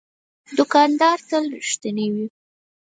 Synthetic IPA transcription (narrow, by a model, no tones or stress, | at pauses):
d̪ʊkɑnd̪ɑɾt̪əlɾiʃt̪ənewi